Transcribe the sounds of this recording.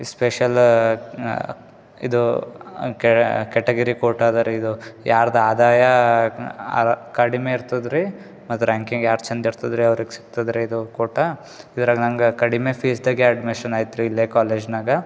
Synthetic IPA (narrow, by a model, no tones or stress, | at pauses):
speʃɐl | ḭd̪u | kkɛʈeɡɐɾikoːʈaːd̪ɐɾeid̪ujʔaːɾɐd̪ɐaːd̪aːjɐ̰ | kɐɽime̞iɾt̪ud̪ɾi | mɐt̪ːuɾaːŋkiŋɡjaːɾt͡ʃɐnd̪iɾt̪ɐd̪ɾiɐʋɾiɡesi̥ɡ̚t̪ɐd̪ɾeid̪ukoːʈɐ | id̪ɐɾaɡnɐŋɡɐkɐɽimepʰiːsd̪ɐɡeɐɖmiʃɐnaːjt̪ɾuilːeːkaːleːd͡ʒnaːɡɐ